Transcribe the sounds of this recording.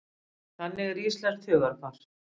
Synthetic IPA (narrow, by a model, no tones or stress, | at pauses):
θanːɪɣriːslɛɾ̥t̪ʰʏːɣaɾ̥faɾ̥